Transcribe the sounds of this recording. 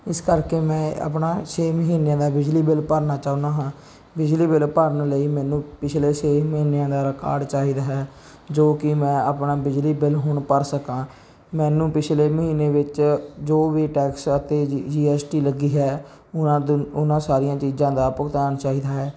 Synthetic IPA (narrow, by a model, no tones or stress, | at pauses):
ɪskəɾkeːmɛ̃ːə̰pnaːseːməɦiːnjãːd̪aːbɪd͡ʒliːbɪlpəɾnaːt͡ʃaːũːnd̪aːɦãː | bɪd͡ʒliːbɪlpəɾnləiːmɛ̃ːnũːpɪt͡ʃʰleːseːməɦiːnejãːd̪aːɾəka̰ːɾɖt͡ʃaːɦiːd̪aːɦɛː | d͡ʒoːkɪmɛ̃ːə̰pnaːbɪd͡ʒliːbɪlɦʊɳpəɾsəkãː | mɛ̃ːnũːpɪt͡ʃʰleːməɦiːneːʋɪt͡ʃd͡ʒoːʋiːʈɛːksət̪eːd͡ʒiːɛːsʈiːləɡiːɦɛː | ʊãːʊnãːsaːɾijãːt͡ʃiːd͡ʒãːd̪aːpʊkt̪aːnt͡ʃaːɦiːd̪aːɦɛː